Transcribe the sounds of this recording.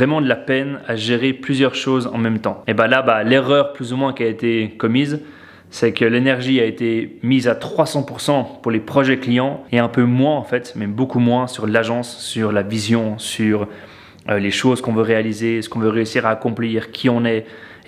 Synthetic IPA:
vʁɛmɑ̃d̪əlapɛnaʒeʁeplyzjœʁʃozɑ̰̃mɛmt̪ɑ̃ebalabaleʁœʁplyzumwɛ̃kʲiaet̪ekɔmiz | sɛkəlenɛʁʒiaet̪emizat̪χwasɑ̃puʁsɑ̃puʁlepχɔʒɛklijɑ̃eɛ̃pømwɛ̃ɑ̃fɛt̪mɛbokumwɛ̃syʁlaʒɑ̃sːyʁlavizjɔ̃syʁ | øleʃozkɔ̃vøʁealizesə̥kɔ̃vøʁeysiʁaːkɔ̃pliːʁkʲʰiɔ̃nɛ

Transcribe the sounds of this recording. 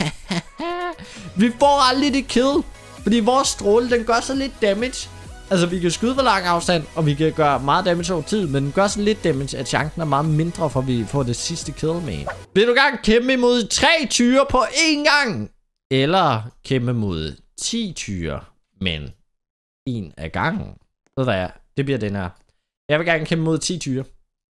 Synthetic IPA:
ʋifɒ̰ːɑld̥id̥e̝kʰeðˠl̩ | fɒ̽d̥ḭːʋɒːsd̥ʁoːləd̥enɡ̥ɶɐ̰sɒ̽nle̝d̥̚ːæmed̥ɕ | ælsəʋikæsɡ̥uð̞ˠəʋɒlɑ̈ŋ̰ɑ̈ʊsd̥æn̰ɒ̽ʋikʰæɡ̥ɶɐmɑ̈ːð̩ˠd̥æmed̥s̬ɒʊ̰ɐt͡sʰið̞̰ˠmend̥enɡ̥ɶɐ̰sɒ̽nle̝d̥̚ːæme̥ɕæɕɑ̈ŋsn̩æɐmɑ̈ːð̩ˠme̝nd̥ʁɐfɒʋifɒ̰ːd̥e̝sisd̥əkʰe̝ðˠl̩ˠmḛnʋe̝ld̥uɡ̥æɐnkʰembəimo̝ð̞̰ˠt͡sʰʁɛ̰ːt͡sʰyːɐpʰɒ̽ʔe̝nɡ̥ɑ̈ŋ̰ | elɐkʰemb̥əmo̝ð̰ˠ | t͡sʰḭːt͡sʰyːɐ | men | e̝ːnæɡ̥ɑ̈ŋ̰n̩ | ʋeð̰ˠʋjɑɪd̥e̝b̥liɐ̰d̥enæɐ̰ | jɑ̈ɪʋe̝ɡ̥æɐːnkʰembəmo̝ð̞̰ˠt͡sʰḭːt͡sʰyːɐ

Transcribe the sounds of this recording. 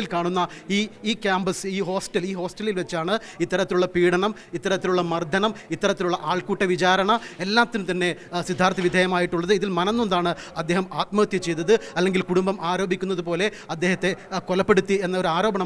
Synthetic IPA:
ilkaːɳunːɐiːiːkʲjaːmbɐsiːɦo̞ːsʈɐliːɦo̞ːsʈɐlilʋet͡ɕːaːɳɨ | it̪ːɐɾɐt̪ːiluɭːɐpiːɽɐɳɐm | it̪ːɐɾɐt̪ːiluɭːɐmɐrd̪ʱɐnɐmit̪ːɐɾɐt̪ːiluɭːɐʔaːɭkuːʈːɐʋit͡ɕaːɾɐɳɐe̞lːaːt̪ːinumt̪ɐnːe̞sid̪ʱaːɾt̪ːɐʋid̪ʱeɐjɐmaːjiʈːuɭːɐðɨiðilmɐnɐnːoɳɖaːɳɨɐd̪ːe̞ːɦɐmaːt̪̚mɐɣɐt̪jɐt͡ɕːe̞jt̪ːɐðɨɐlːe̞ŋɡilkuɽumbɐmaːɾoːbʱikʲːunːɐðupo̞ːle̞ | ɐd̪ːe̞ːɦɐt̪ːe̞kolɐpːeɽut̪ːienːɐoɾuaːɾo̞ːbɐɳɐ

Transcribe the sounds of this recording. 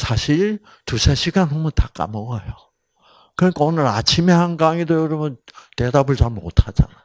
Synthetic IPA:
sʰaɕʰiɭ | tusʰaɕʰiɡanɸomɯntak͈a̰mʌɡʌjo | kɯɲikʰaonɯɾat͡ɕʰimehanɡaŋidojoɾʌbɯnte̞dabɯɭt͡ɕammo̰tʰad͡ʑa̰nao

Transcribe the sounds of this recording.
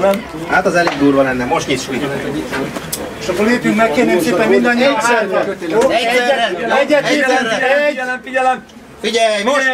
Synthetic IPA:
ɛn | haːt̪ɒzɛliɡd̪uːrʋɒnɛnːɛmːo̞ʃt̪keːt̪ʃujt̪ | eʃɒkːoleːpjyŋkmɛkkːeːnːeːseːpɛmmind̪ɒɲːot̪sɛlt̪ɛoːɛɛɛɟːɛt̪iːɛɛɟfiɟɛlɛm | fiɟɛjmoʃ

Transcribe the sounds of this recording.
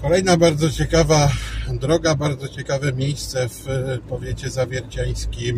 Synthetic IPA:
kɔlɛjnabaɾd̪zɔt͡ɕɛkavad̪ɾɔɡabaɾd̪zɔt͡ɕɛkavɛmʲjejst̪sɛfpɔvʲjet͡ɕɛzavʲjɛɾt͡ɕaj̃skʲim

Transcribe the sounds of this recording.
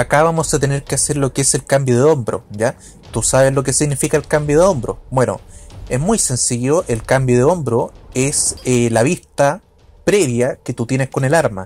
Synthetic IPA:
akaβamozðet̪ene̞ɾkeaseɾlo̞keese̞lkambjoðeo̞mbɾo̰ɟ͡ʝa | t̪usaβeslo̞kesiɣnifikaelkambjoðeombɾo̞̰bwe̞no̰ezmujse̞nsiʝoʔelkambjoðeo̞mbɾoeslaβist̪a | pɾe̞βjaket̪ut̪je̞nehko̞ne̞laɾma̰

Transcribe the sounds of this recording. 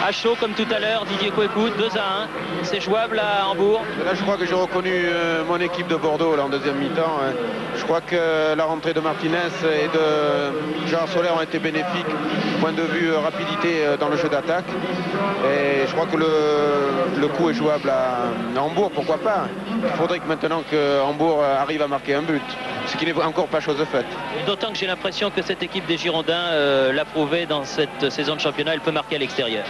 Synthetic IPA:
aʃokɔmt̪ut̪alœʁd̪id̪jekoekut̪̚d̪øzaɛ̃ | sɛʒuablaɑ̃buʁ | elaʒəkχwakəʒeʁəkɔnyømɔ̃nekʲip̚d̪əbɔʁd̪olaɑ̃d̪øzjɛmːit̪ɑ̃ | ʒ̥əkχwakəlaʁɑ̃t̪χed̪əmaʁt̪inɛsed̪ə | ʒeʁaʁsɔlɛʁɔ̃et̪ebenefikpwɛ̃d̪əvyʁapid̪it̪eød̪ɑ̃ləʒød̪at̪ak | eʒəkχwakələ | ləkuɛʒuablaɑ̃buʁpuʁkwapa | ilfod̪ʁɛkmɛ̃t̪ənɑ̃kəɑ̃buʁaʁivamaʁkeɛ̃byt̪sə̥kʲinɛɑ̃kɔʁpaʃozfɛt̪d̪ot̪ɑ̃kəʒelɛ̃pχesjɔ̃kəsɛt̪ekʲip̚d̪eʒiʁɔ̃d̪ɛ̃ølapχuved̪ɑ̃sɛt̪sezɔ̃d̪əʃɑ̃pjɔnaɛlpømaʁkʲealɛkst̪eʁjœːʁ

